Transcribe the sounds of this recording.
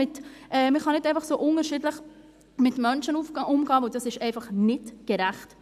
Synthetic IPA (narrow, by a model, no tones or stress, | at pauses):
ɪtʔɛːməχɑnɪdɛɪfɑχsoːʔʊnəɾʃɪdləχ | mɪtmœnʃənufʔʊmɡɑːvɛld̥ɑsɪʃɛɪfɑχnɪtɡ̥ɛɾæχt